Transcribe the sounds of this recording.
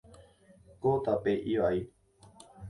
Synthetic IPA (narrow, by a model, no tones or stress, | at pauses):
kot̪apeʔiʋai